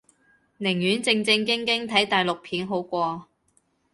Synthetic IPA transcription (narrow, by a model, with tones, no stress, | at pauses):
nɪ˨˩ŋjyː˨˥nt͡sɪ˧ŋt͡sɪ˧ŋkɪ˥ŋkɪ˥ŋt̪ʰɐ˨˥jt̪aː˨˩jlʊ˨k̚pʰiː˨˥nɦo˨˥wkʷɔː˧